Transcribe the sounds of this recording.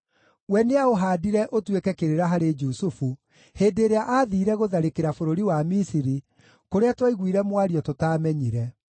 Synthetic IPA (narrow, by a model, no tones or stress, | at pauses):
wɛneaoɦaːdiɾɛʔotwekɛkeɾeɾaɦaɾed͡ʒusufu | heːdeɾeaʔaːðiːɾɛɣoðaɾekeɾafoɾoɾiwamisiɾi | koɾeatwaiɣwiːɾɛmwaɾijɔtotaːmɛɲiɾɛ